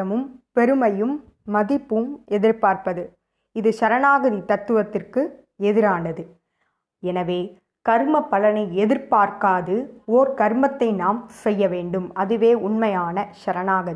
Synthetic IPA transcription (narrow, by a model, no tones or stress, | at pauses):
ɐmɯmpɛɾɯmɐjɯmː | ɐðɪpːɯmɛðɪɾpaːɾpɐðɯ | ɪðɯʃɐɾɐnaːɣɐðit̪ɐt̪ːɯʋɐt̪ːɪrkɯ | ɛðɪɾaːɳɖɐðɯ | ɛnɐʋeː | kɐɾmɐpːɐlɐnɐɪɛðɪɾpaːɾkaːðɯoːɾkɐɾmɐt̪ːɐɪnaːmsɛjːɐʋeːɳɖɯmɐðɯʋeːʊɳmɐjaːnɐʃɐɾɐnaːɣɐði